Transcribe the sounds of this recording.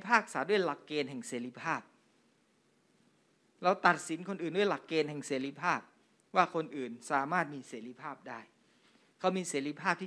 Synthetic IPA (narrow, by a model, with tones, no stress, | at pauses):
pʰaː˥˩k̚saː˩˦du˥˩əjla˨˩kːeː˧nɦɛ˨˩ŋseː˩˦ɾi˦˥pʰaː˥˩p̚ | ɾɛ˧˥wt̪a˨˩t̪̚si˩˦nkʰo˧nʔɯː˨˩ndu˥˩ə˨jla˨˩kːeː˧nɦɛ˨˩ŋseː˩˦ɾi˦˥pʰaː˥˩p̚ | waː˥˩kʰo˧nʔɯː˨˩nsaː˩˦maː˥˩t̪̚miː˧seː˩˦ɾi˦˥pʰaː˥˩p̚daː˥˩j | kʰa˦˥wmiː˧seː˩˦ɾi˦˥pʰaː˥˩p̚t̪ʰː